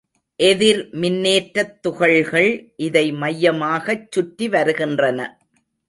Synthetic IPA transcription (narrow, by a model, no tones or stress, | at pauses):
ʔɛðɪɾmɪnːeːʈɾɐt̪ːʊɣɐɭɣɐɭʔɪðɐɪmɐjːɐmaːɣɐt͡ʃːʊʈːiʋɐɾɯɣɪndrɐnɐ